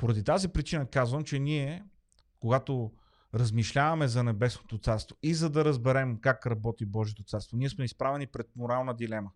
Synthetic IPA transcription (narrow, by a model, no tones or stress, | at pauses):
poɾɐd̪it̪azipɾit͡ʃinəkazvəmt͡ʃɛniɛ | koɡat̪o | ɾɐzmiʃlʲavɐmɛzɐnɛbɛsnot̪ot̪saɾst̪voizɐd̪ɐɾəzbɛɾɛmkakɾɐbɔt̪ibɔʒiet̪ot̪saɾst̪voniɛsmɛispɾavɛnipɾɛt̪̚moɾalˠnəd̪ilɛmə